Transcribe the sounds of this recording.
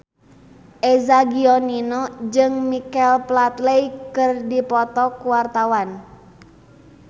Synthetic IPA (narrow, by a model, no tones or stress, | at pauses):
ʔezaɡiɔninɔd͡ʒɨŋmikɛlplat̪lejkɨrdipɔt̪ɔkuwart̪awan